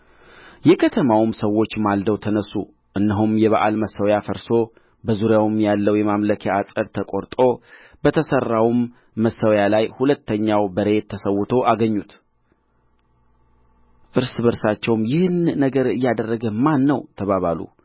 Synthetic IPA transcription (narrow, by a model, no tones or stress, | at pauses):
jɛkʰət̪ʰəmawmsəwo̞t͡ʃːmald̪əwt̪ʰənəsu | ʔɨnːəɦumjɛβaʔa̰lməsəwjafəɾso̞ | bəzuɾjawmjalːəwjɛmamləkʰjaasʼəɾt̪ʰəkʼo̞ɾt̪ʼo̞ | bət̪ʰəsərːawmː | əsəwjalajhulət̪ːəɲːawbəɾet̪ʰːəsəwːʊt̪ʰo̞ʔaɡəɲːut̪ | ʔɨɾsbəɾsat͡ʃːɛwmjɪhnːəɡəɾɨjːad̪ərːəɡəmanːəwt̪ʰəβaβalṵ